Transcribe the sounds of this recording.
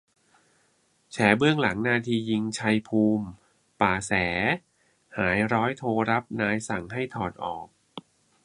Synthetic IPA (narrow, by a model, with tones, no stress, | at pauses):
t͡ɕʰɛː˩˦bɯ˥˩əŋla˩˦ŋnaː˧t̪ʰiː˧ji˧ŋt͡ɕʰa˧jpʰuː˧m | paː˨˩sɛː˩˦ | haː˩˦jɾɔː˦˥jt̪ʰoː˧ɾa˦˥p̚naː˧jsa˨˩ŋɦa˥˩jt̪ʰɔː˨˩nʔɔ̰ː˨˩k̚